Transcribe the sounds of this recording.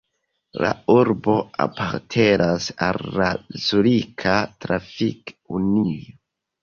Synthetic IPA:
lauɾbo̞a̰pʰaɾtʰe̞nʔasalːazulikʰatɾafikunio

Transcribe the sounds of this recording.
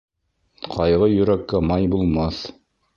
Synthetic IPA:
qʰɑjʁɤjɵ̆ɾækːæmɑjbulˠmɑθ

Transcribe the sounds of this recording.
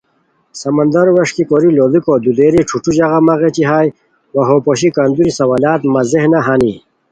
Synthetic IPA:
sɐmɐnd̪ɐɾwɐʂkikoɾilolikod̪ud̪eːɾiʈ͡ʂʰuʈ͡ʂuʑɐɣamɐɣet͡ɕiɦaːj | wɐɦopoɕikand̪uɾisɐwalaːt̪mɐzehnaɦani

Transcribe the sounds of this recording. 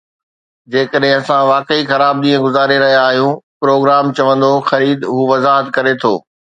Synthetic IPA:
d͡ʑeːkəɗɦɪ̃ɐsãʋaːkəixɐɾaːb̚ɗ̪ĩːə̃ɡʊzaːɾeɾɐɦijaːɦijũpɾoːɡɾaːmt͡ɕɐʋə̃nd̪oxɐɾiːd̪ɦuːʋɐzaːɦət̪kɐɾet̪ʰo̰ː

